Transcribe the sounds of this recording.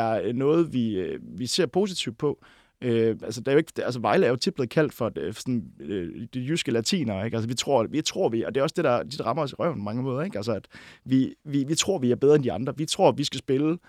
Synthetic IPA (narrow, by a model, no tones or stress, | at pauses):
æɐnɔ̽ːð̞̩ˠʋiøʋise̝ɐpʰo̝ːsit͡sʰiʊd̥̚pʰɒ̽ | øælsəd̥eæɐjoe̝ɡ̥ælsəʋɑ̈ɪləæɐjo̝t͡sʰe̥b̥leð̩ˠkʰæl̰d̥fɒ̽sɔnød̥ijysɡ̥əlæt͡sʰḭːnɐeɡ̥æls̬əʋit͡sʰʁo̝ɐ̰ʋit͡sʰʁo̝ɐ̰ʋiɒ̽d̥e̝æɒ̽sd̥e̝ɾ̥ɑ̈d̥id̥ɑ̈ʁɑ̈mɐɒ̽siʁɶ̰ɐ̰n̩pʰɒ̽mɑ̈ŋəmɔ̽ːðˠɐeɡ̥ælsəæd̥ʋiʋiʋit͡sʰʁo̝ɐ̰ʋiæɐb̥eðˠʁɐend̥iɑ̈nd̥ʁɐʋit͡sʰʁo̝ɐ̰ʋisɡ̥æsb̥e̝lə